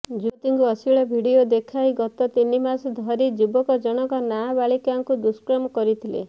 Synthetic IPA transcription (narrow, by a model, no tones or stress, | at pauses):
d͡ʒut̪iŋkuɔsiɭɔbʱiɽiod̪ekʰaiɡɔt̪ɔt̪inimasd̪ʱɔɾid͡ʒubɔkɔd͡ʒɔɽ̃ɔkɔnabaɭikaŋkud̪uskɾɔmɔkɔɾit̪ʰilḛ